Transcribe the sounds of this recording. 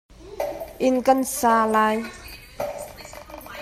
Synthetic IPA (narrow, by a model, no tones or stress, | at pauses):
ʔinkənsaːlaj